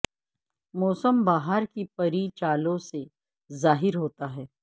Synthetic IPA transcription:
mɔːsəmbaːɦaɾkipɐɾit͡ʃaːlõse | zaːɦɪɾɦoːt̪aɦɛː

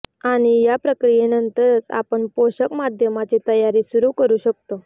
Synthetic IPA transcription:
aɽ̃ijapɾəkɾijenənt̪əɾət͡sa̰pəɳpoɕəkmad̪ʱjəmat͡ɕet̪əjaɾiːsuɾuːkəɾuːɕək̚t̪o

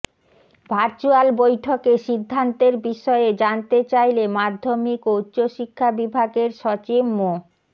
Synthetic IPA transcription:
bʱaɾt͡ɕualbojʈʰokeʃid̪ʱːant̪eɾbiʃɔed͡ʑant̪et͡ɕajlemad̪ʱːomikutːɕoʃikʰːabibʱaɡeɾʃɔt͡ɕibmo

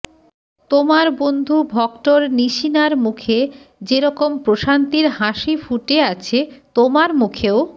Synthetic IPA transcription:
t̪omaɾbond̪ʱubʱɔkʈoɾniʃinaɾmukʰed͡ʑeɾɔkompɾoʃant̪iɾhaʃifuʈeat͡ɕʰet̪omaɾmukʰeo

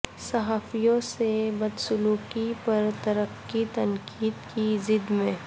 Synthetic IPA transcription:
sɐɦaːfijõsebɐd̪sʊluːkipɐɾt̪ɐɾəqːit̪ɐŋkiːd̪kizɪd̪mẽː

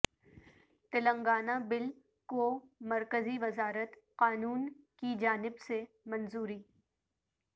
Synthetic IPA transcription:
t̪ɪlə̃ŋɡaːnabɪl | komɐɾkəziʋɐzaːɾət̪qaːnuːnkid͡ʒaːnɪbse | mɐnzuːɾiː

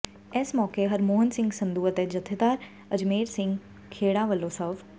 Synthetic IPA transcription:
eːsmɔːkeɦɐɾmoːɦənsɪ̃ŋɡsɐ̃nd̪uːət̪ed͡ʒɐt̪ʰed̪aːɾ | ɐd͡ʒmeːɾsɪ̃ŋɡ | kʰeːɽaʋəlːoːsəf

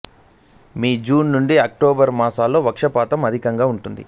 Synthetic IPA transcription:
miːd͡ʒuːnːuɳɖiɐk̚ʈoːbɐɾmaːsaːlːo̞ːʋɐkʂɐpaːt̪ɐmɐd̪ʱikɐŋɡaːuɳʈund̪ḭ

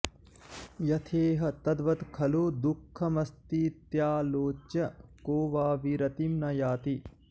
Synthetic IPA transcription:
jɐt̪ʰeːɦɐ̆t̪ɐd̪ʋɐt̪kʰɐloːd̪ukʰːɐmɐst̪it̪jaːloːt͡ʃːjɐkoːʋaːʋiɾɐt̪imnɐjaːt̪i

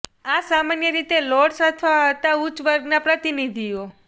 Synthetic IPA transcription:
asamanjəɾit̪elɔɽsat̪ʰʋaɦət̪aut͡ʃʋəɾɡnapɾət̪inid̪ʱio

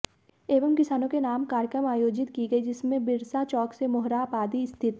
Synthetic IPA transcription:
eːʋəmkɪsaːnõkenaːmkaːɾjkɾəmaːjoːd͡ʒɪt̪kiɡɐid͡ʒɪsmẽbɪɾsat͡ʃɔːksemʊɦɾaːpaːd̪ist̪ʰɪt̪

